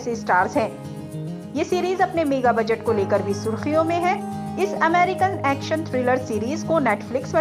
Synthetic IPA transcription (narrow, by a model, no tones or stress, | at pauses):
sesʈaːɾzɦɛ̃ː | jeːsiːɾiːzɐpnemeːɡabɐd͡ʒəʈkoleːkəɾbʱisʊɾxijõmẽɦɛ̃ | ɪsɐmɛːɾɪkənɛːkʃənt̪ʰɾɪːləɾsiːɾiːzkonɛːʈflɪksʋɐ